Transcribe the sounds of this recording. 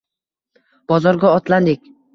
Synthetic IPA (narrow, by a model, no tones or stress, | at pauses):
b̥ɒzɒɾɡʲɒɒt̪land̪ɪk̚ʲ